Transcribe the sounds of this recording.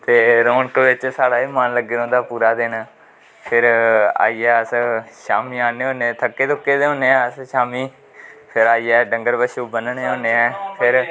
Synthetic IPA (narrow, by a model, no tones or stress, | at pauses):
t̪eːɾoːɳkəʋɪt͡ʃsaːɽaːiːmanləɡeːɾõːd̪aːpuːɾaːd̪eːnaː | pʰɪɾa̰ːiːɛːəsʃaːmiːaːneːɦõːnet̪ʰəkːeːt̪ʊkːeːd̪eːɦõːneːaːəsʃaːmiː | pʰɪɾaːiːɛːɖəŋɡəɾbəʃuːbənəneːɦoːneːɛːpʰɪɾ